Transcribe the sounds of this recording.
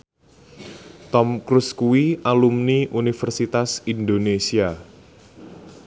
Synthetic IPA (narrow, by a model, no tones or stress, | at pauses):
t̪ɔmkɾuskuwialumniʔunifərsit̪asindonesia